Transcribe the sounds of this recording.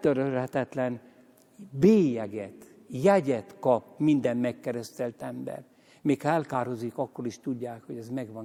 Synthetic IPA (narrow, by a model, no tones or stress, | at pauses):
t̪øɾølhɛt̪ɛt̪lɛn | beːjɛɡɛt̪ | jɛɟɛt̪kɒpmind̪ɛmmɛkːɛɾɛst̪ɛlt̪ɛmbɛ̰r | meːkhɒɛlkaːɾɦozikɒkːo̞ɾiʃt̪uɟːaːkho̞ɟɛzmɛɡʋɒn